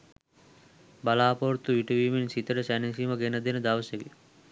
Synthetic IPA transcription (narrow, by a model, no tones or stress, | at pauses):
balaːpoɾt̪uʋiʈəʋiːminsit̪əɖəsænisiməɡenəd̪enəd̪aʋəseɡe